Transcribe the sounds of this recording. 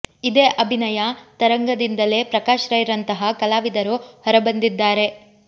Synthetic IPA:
id̪eːʔɐbʱinɐjɐt̪ɐɾɐŋɡɐd̪ind̪ɐle̞ːpɾɐkaːʃɾɐjiɾɐnt̪ɐɦɐkɐlaːʋid̪ɐɾuhɔɾɐbɐnd̪id̪ːaːɾe̞

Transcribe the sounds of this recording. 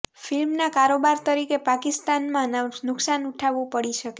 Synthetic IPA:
fɪlmnakaɾobaɾt̪əɾikepakist̪anmãnanʊksanuʈʰaʋũpəɽiʃəke

